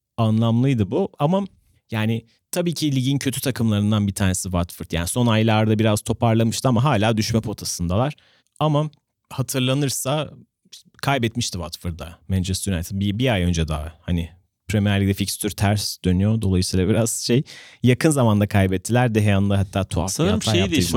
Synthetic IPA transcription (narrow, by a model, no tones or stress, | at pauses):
anlˠamlˠɯjd̪ɯbuama | jaːnɪ | t̪ʰabiːcʰilʲiɟincʰø̞t̪ʰy̥t̪ʰakʰɯmlˠaɾɯnd̪anbit̪ʰaːnesivat̪fɯɾt̪jaːniso̞najlˠaɾd̪abiɾaz̥t̪ʰo̞pʰaɾlˠamɯʃt̪ʰɯamaɦaːlʲaːd̪yʃmɛpʰo̞t̪ʰasɯnd̪alˠaɾ̥ | ama | hat̪ʰɯɾlˠanɯɾsa | kʰajbɛt̪miʃt̪ʰivat̪fɯɾd̪a̰mɛnt͡ʃʰɛst̪yɾna̰jt̪bibiajø̞nd͡ʒɛd̪a̰hanɪ | pʰɾemiɛɾlʲid̪ʲɛficst̪ʰyɾt̪ʰæɾsd̪̥ø̞nyjo̞d̪o̞lˠajɯsiːlˠabiɾaz̥ʃejjakʰɯnzamand̪akʰajbɛt̪ʰːilʲæɾd̪ɛɦɛjanɯnaɦat̪ʰːaːt̪ʰua̰fʃaea